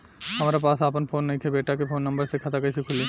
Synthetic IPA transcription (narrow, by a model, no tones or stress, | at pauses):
ɦɐmɾapasaːpənfʰonːɐjkʰebeʈakefʰonːɐmbəɾsekʰat̪ʰakɐjt͡ʃʰikʰule